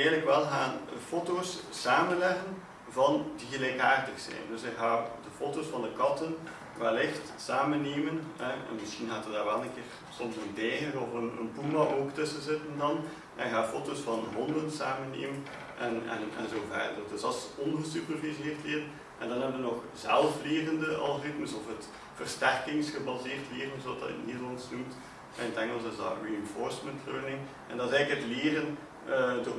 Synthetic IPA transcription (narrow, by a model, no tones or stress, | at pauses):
ɛɣələkʋɛlˠɣaːnəfoːtoːssaːmənlɛɣən | vɑndiɣəlɛjkaːrdəxsɛ̰jndɵsɪkɣaːdəfoːtosfɑndəkɑtən | ʋɛlɪxt | saːmənːeːmənɦɛɛ̰nmɪsxinɣaːtədaːɹʋɛlˠənkɪːr | sɔmsəndɛːɣərɔfənə̰npumaʔoːktɵsəzɪtəndɑn | ʔnkɣaːfoːtosfɑnəɦɔndənsaːmənḛːmən | ʔɛnɛ̰nɛ̰nzoːvɛ̰rddədɵsɑlˠsɔnɣəsypərvizeːrtlɪːrən | ʔɛ̰ndɑnɛbʋənɔx | z̥ɛlˠfleːrəndəʔɑ̰lˠɣorɪtməsɔfət | v̥ərstɛrkɪŋsxəbɑzeːrtleːrənzoɑtdɑ̰ɪ̰nːeːdərlɑnsnumt | ɛntɛŋəlˠsɪsdɑ̰riɛnfoɹsməntløːnɪŋ | ʔɛ̰ndɑzɛːləkətleːrən | ədoː